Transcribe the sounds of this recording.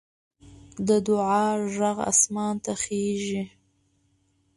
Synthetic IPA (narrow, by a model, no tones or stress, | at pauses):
d̪əd̪ʊʕɑʒaɣa̰smɑnt̪axeʒi